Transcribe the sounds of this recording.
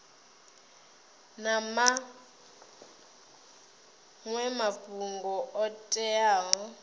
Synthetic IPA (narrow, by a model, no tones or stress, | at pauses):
nama | ŋwɛmabʼuŋɡɔʔɔtʼɛaːɦɔ